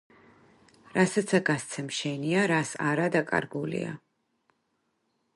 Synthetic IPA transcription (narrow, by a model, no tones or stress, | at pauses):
ɾasat̪sʰaɡast̪sʰɛmʃɛniaɾasa̰ɾad̪akʼa̰ɾɡulḭa̰